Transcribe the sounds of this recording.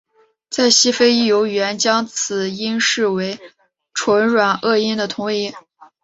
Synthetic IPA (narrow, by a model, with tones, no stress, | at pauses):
t͡sa˥˩ɪɕi˥fe˥ɪi˥˩jo˧˥ʊɥɛ˧˥nt͡ɕjɑ˥ŋt͡sʰɹ̩˨˩i˥nʂɻ̩˥˩we˧˥ɪ | ʈ͡ʂʰwə˧˥nɻwa˨˩nɤ˥˩i˥nd̪ə˨t̪ʰʊ˧˥ŋi˧˥